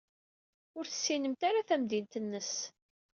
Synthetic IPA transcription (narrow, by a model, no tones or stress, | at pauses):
ʊɾθə̥sːinəmt̪aɾaθæmd̪int̪ənːəs